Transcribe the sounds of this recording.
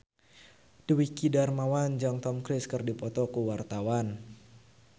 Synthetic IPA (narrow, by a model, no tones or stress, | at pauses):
dwikidarmawand͡ʒɔŋt̪ɔmkɾɪskɨrdipɔt̪ɔkuwart̪awan